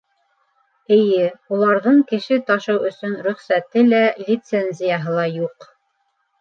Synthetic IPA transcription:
ɘ̆jɘulˠɑɾðɤɴkɘ̆ʃɘt̪ɑʃɤwɵ̆sɵnɾɵ̆χsæt̪ɘlælʲit̪senʲzʲijaɦɤlˠɑjuq

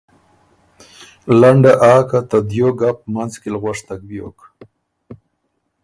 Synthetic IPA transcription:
laɳɖaʔaːkat̪ad̪joɡapmanzkelɣwaʂt̪ak̚bjok

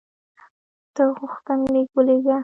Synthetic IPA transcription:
d̪̥əɣʊxt̪ənleɡəleɡa

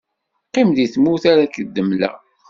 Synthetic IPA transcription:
qːimðiθmuθaɾækəd̪ːəmlæ̰

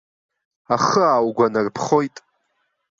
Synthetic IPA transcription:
aχəaːwɡʷanarpʰχo̞jtʼ

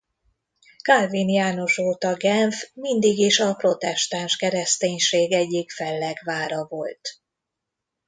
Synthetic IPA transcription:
kalvinjaːno̞ʃoːt̪ɒɡɛnfmind̪iɡiʃɒpro̞t̪ɛʃt̪anʃkɛɾɛst̪eːɲʃeːɡɛɟːikfɛlːɛɡvaːɾɒvo̞lt̪

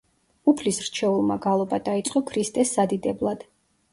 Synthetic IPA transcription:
upʰlisɾt͡ʃʰɛulˠmaɡalˠɔbad̪ait̪sʼqʼɔkʰɾist̪ʼɛsːad̪id̪ɛblˠad̪̥

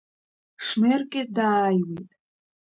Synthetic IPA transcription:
ʂmerkʲʼedaːjwitʼ

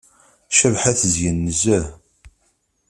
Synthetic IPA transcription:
ʃævħæθzjənːəzæ

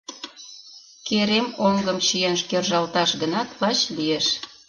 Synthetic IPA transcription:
keɾemoŋɡəmt͡ɕijenʃkerʒɑlt̪ɑʃɡənɑt̪lɑt͡ɕlijeʃ

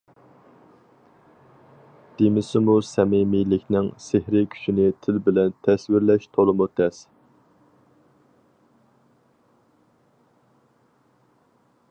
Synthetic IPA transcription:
d̪̥emɪsɪmusɛmɪmilɪkʲnɪŋsehɾɪkʲʰy̥ʃinɪt̪ʰɪlbɪlɛnt̪ʰɛswɪɾlɛʃt̪ʰolˠəmut̪ʰɛs

